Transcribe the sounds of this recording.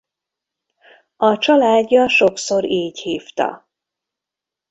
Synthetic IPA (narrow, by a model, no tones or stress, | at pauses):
ɒt͡ʃɒlaːɟːɒʃo̞kso̞ɾeːchiːft̪ɒ̰